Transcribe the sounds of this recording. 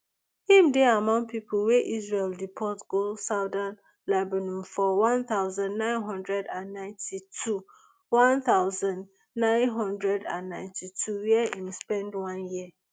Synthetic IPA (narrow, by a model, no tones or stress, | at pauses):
hĩmdeamãŋpipʰlweʔizɹeldipʰɔtɡ̥olsaʊdãn | labanũmfɔwãnθaʊzãnnãɪ̃nɦɔ̃ndɹɛdãnːãɪ̃ntʰitʰu | wãnθaʊzãnd | nãɪ̃nɦɔ̃ndɹɛdã̰nːãɪ̃ntʰitʰujiɛĩmspɛ̃ndwãnjiə